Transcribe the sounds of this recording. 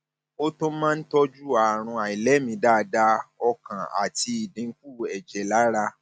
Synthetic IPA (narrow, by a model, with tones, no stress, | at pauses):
o˦tõ˦mãː˦n̩˦tɔ˦d͡ʒu˦a˨ɾ̃ũ˧a˨i˨lɛ˨˦mĩ˧da˦˨˧da˧ɔ˧kã˨a̰˨ti˧i˨dĩ˨˧˦ku˦ɛ˨d͡ʒɛ˨la˨˦ɾa˧